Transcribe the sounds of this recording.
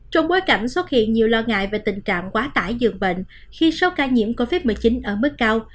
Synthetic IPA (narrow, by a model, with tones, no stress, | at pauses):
t͡ɕɔ˧wŋ͡mɓo˨˦jka˧˩jŋ̟swə˦˥t̚hḭ˧˨ənɲi˨˩əwlɔ˧ŋa̰ː˧˨jve˨˩t̪ï˨˩ŋ̟t͡ɕa̰ː˧˨ŋkwaː˨˦t̪aː˧˩jzɨ̰˨˩əŋɓḛ˧˨n | xi˧so˨˦wkaː˧ɲḭ˧˥əmko˧vi˦˥t̚mɨ˨˩jt͡ɕi˨˦nʔəː˧˩mɨ˦˥k̚ːaː˧w